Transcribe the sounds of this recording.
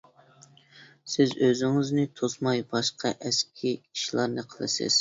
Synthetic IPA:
sɪzøzɪŋɪznɪt̪ʰosmɑjbɑʃqɑʔɛskʲʰiiʃlˠɑɾnɨqʰəlˠɨ̰sɪ̰z̥

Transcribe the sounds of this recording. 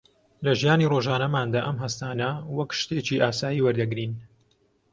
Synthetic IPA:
lɐʒijaːniroːʒaːnɐmaːnd̪aːʔɐmɦɐst̪aːnɐwɐkʃt̪e̞ːt͡ʃiʔaːsaːjiwɐɾd̪ɐɡɾiːn

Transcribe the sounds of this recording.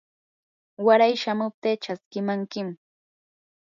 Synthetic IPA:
waɾajʃamʊp̚t̪eːt͡ʃaskɪmaŋkɪm

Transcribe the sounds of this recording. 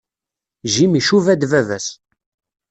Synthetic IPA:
ʒimiʃuvæd̪vævæs

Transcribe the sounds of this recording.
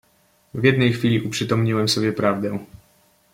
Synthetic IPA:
vjɛd̪̚nɛjxfʲilʲiʔupʂɘt̪ɔmɲiwɛmsɔbʲjɛpɾavd̪ɛ̃

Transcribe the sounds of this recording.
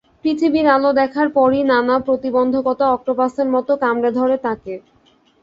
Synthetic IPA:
pɾit̪ʰibiɾalod̪ɛkʰaɾpɔɾinanapɾot̪ibond̪ʱokɔt̪aɔk̚ʈopaseɾmɔt̪okamɾad̪ʱɔɾet̪ake

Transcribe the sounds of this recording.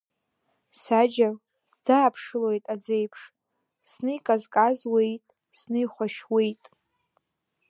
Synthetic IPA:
sad͡ʒa | zdaːpʰʂɨlojtʼad͡zejpʰʂ | snɨjkʼazkʼazwejtʼ | snɨjχʷaʃwejtʼ

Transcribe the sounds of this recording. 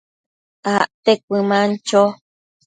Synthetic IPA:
aʔt̪ek̚ʷɨmãnt͡ʃo

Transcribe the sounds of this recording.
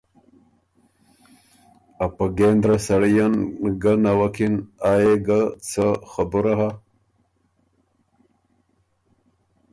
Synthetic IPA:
apaɡend̪ɾasaɽijanɡanawakʰinajeɡat͡sʰəxabuɾaɦa

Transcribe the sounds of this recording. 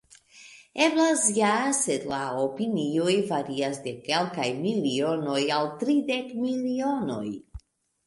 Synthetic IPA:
e̞blasjasedlaopinio̞jvaɾiasde̞ke̞lkajmilio̞no̞jaltɾide̞kmilio̞no̞̰j

